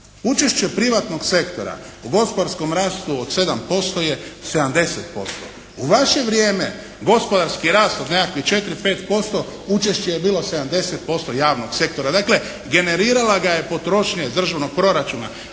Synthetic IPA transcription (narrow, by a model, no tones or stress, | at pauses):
ut͡ʃe̞ʃt͡ɕe̞pɾiʋat̪no̞ɡse̞kt̪o̞ɾa̰ | uɡo̞spo̞d̪aɾsko̞mɾaːst̪uod̪se̞d̪ampo̞st̪o̞je̞se̞d̪amd̪e̞set̪po̞st̪o̰ | uʋaʃe̞ʋɾjeːme | ɡo̞spo̞d̪aɾskiɾaːst̪od̪ne̞kakʋiht͡ʃe̞t̪ɾipe̞ːt̪po̞st̪o̞ut͡ʃe̞ʃt͡ɕejebiːlˠo̞se̞d̪amd̪e̞set̪̚po̞st̪ojaːʋnoɡse̞kt̪o̞ɾad̪aːkle̞ | ɡe̞ne̞ɾiːɾalaɡaje̞po̞t̪ɾo̞ʃɲed̪r̩ʒaʋno̞ɡ̚pɾo̞ɾat͡ʃuːna